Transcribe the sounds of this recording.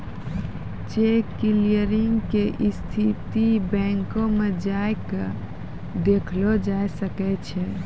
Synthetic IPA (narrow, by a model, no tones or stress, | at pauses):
t͡ʃekːilijəɾiŋɡkeʔist̪ʰit̪ibɛ̃ŋkõmed͡ʒajkə | d̪ekʰlod͡ʒaesəkɛt͡ʃʰɛ